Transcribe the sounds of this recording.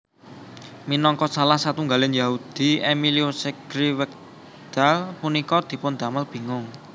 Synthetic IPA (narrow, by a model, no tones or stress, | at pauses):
minɔŋkɔsalahsat̪uŋɡalɪnjaud̪̥i̤emiliosɛɡ̥ɾiwək̚ | d̪̥a̤lpunikɔd̪̥i̤pʊnd̪̥a̤məlb̥i̤ŋʊŋ